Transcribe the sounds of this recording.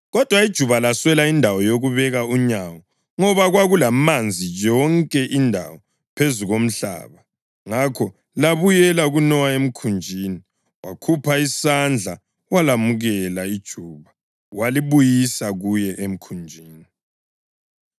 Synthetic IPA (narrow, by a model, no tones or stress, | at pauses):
ɣɔd̥ʱwaid̥ʒ̥ʱuβalaswɛlaindʱawɔjoɣuβɛɣauɲawɔ | ŋɔβaɣwaɣulamand͡zʱijɔŋkʼɛʔindʱa̰wɔ | pʰezuɣom̩ɬa̰ːβa | ŋakʰɔ | laβujɛlaɣunɔwaem̩kʰund͡ʒʱiːni | wakʰupʰaisand͡ɮʱa | walamuɣɛlaid̥ʒ̥ʱuːβa | waliβujisaɣujɛʔem̩kʰund͡ʒʱiːni